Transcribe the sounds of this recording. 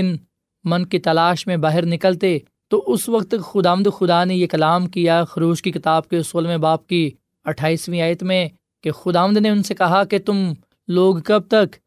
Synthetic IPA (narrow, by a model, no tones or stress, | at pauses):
ɪn | mɐ̃nkit̪ɐlaːʃmẽbaːɦɪɾnɪkəlt̪e | t̪oʔʊsʋɐkt̪kxʊd̪aːʋə̃nd̪xʊd̪anejekɐlaːmkijaxʊɾoːd͡ʒkikɪt̪aːb̚keʊsoːlmẽbaːp̚ki | ɐʈʰaːiːsʋĩaːjət̪mẽ | kexʊd̪aːʋə̃nd̪neʊnsekɐɦaket̪ʊm | loːɡkɐb̚t̪ɐk